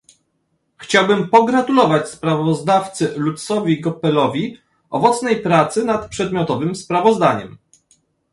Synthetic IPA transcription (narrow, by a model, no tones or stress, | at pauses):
xt͡ɕawbɘmpɔɡɾat̪ulɔvat͡ɕspɾavɔzd̪aft̪sɘlut̪sɔvʲiɡɔpɛlɔvʲi | ʔɔ̰vɔt̪snɛjpɾat̪sɘnat̪pʂɛd̪mʲjɔt̪ɔvɘmspɾavɔzd̪aɲɛ̰m